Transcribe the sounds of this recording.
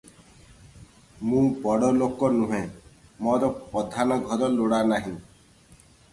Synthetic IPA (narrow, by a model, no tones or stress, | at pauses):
mũbɔɽɔlokɔnũɦẽmɔɾɔpɔd̪ʱanɔɡʱɔɾɔloɽanaɦĩ